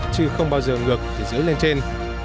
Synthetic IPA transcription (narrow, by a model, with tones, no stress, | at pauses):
t͡ɕɨ˧xə˧wŋ͡mɓaː˧wzəː˨˩ŋɨ˨˩ək̚t̪ʰi˨˩zɨ˨˦jle˧nt͡ɕe˧n